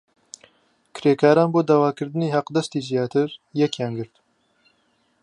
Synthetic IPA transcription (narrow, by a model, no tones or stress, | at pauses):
kʰɨɾeːkʰaːɾaːnboːd̪aːwaːkɨɾd̪ɨniːhaqd̪ɛst̪iːzijaːt̪ʰɨɾjɛkjaːnɡɨɾt̪